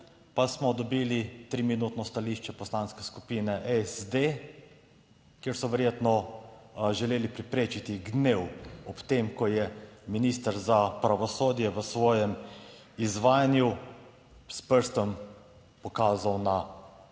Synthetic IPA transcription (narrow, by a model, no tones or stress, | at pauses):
pasmɔd̪ɔbiːlit̪ɾiminuːt̪nɔst̪aliʃt͡ʃɛpɔslaːnskɛskupiːnɛʔɛsd̪e | kjeːɾsɔʋɛɾjeːt̪nɔ | ʒɛleːlipɾipɾeːt͡ʃit̪iɡnewɔpt̪emkɔjɛminiːst̪əɾzapɾaʋɔsoːd̪jɛʋəsʋɔːjɛm | izʋaːjanju | spəɾst̪əm | pɔkaːzawna